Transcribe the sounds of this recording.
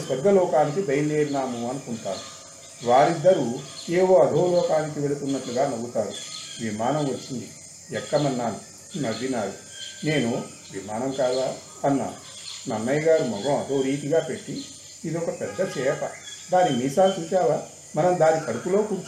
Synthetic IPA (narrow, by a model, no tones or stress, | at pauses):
sʋɐɾɡʱɐlɔːkaːnik̬ibʱɐjɐleːɾinaːmuɐnukuɳʈ̪aːnu | ʋaːɾid̪ːɐɾueːʋoːɐd̪ʱoːlɔːkaːnikiʋelit̪unːɐʈluɡaːnɐɡut̪aːɾuʋimaːnɐmʋɐt͡ʃːind̪i | ɛkːɐmɐnːaːnu | mɐd̪ʱinaːju | ne̞ːnu | ʋimaːnɐmkaːlaː | ɐnːa̰ːnu | nɐnːɐjɡaːɾumɔɡõɐt̪oːɾiːt̪iɡaːpe̞ʈːiː | d̪ɔkɐpɛd̪ːɐt͡ʃɛːpɐd̪aːnːimiːsaːt͡ʃuːt͡ʃaːlaː | mɐnɐmd̪aːnikɐɽupulo̞ːkuɾt͡ʃ